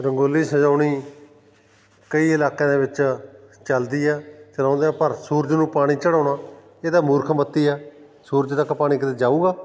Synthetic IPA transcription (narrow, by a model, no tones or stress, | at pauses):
ɾəŋɡoːliːsəd͡ʒaːɳiː | kəiːɪlaːkɛ̃ːd̪eːʋɪt͡ʃt͡ʃəld̪iːɛːt͡ʃəɾãːnd̪eãːpəɾsuːɾd͡ʒnũːpaːɽ̃iːt͡ʃəɽãːɽaː | eːd̪aːmʊːɾkʰmət̪ːiːɛː | suːɾd͡ʒt̪əkpaːɽ̃ĩːkət̪eːd͡ʒaːuːɡaː